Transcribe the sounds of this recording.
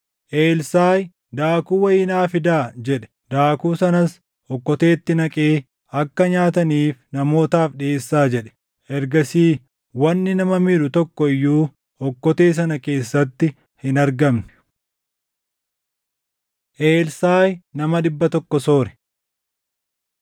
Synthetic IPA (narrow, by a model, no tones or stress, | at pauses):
ʔeːlsaːj | d̪aːkuːwɐjɪːnaːfɪd̪aːd͡ʒɛᶑɛ̥ | d̪̥aːkuːsɐnɐs | ɔkːɔt̪e̞ːt̪ːɪnɐkʼe̞ː | ɐkːɐɲaːt̪̬ɐniːfnɐmo̞ːt̪aːfᶑeːsːaːd͡ʒɛᶑɛ̥ | ʔɛɾɡɐsiː | wɐnːɪnɐmɐmɪᶑʊt̪ɔkːɔɪjːuː | ɔkːɔt̪e̞ːs̬ɐnɐke̞ːsːɐt̪ːɪ | hɪnɐɾɡɐmnɛ̥ | ʔeːlsaːjnɐmɐɗ̪ɪbːɐt̪ɔkːɔsoːɾɛ̥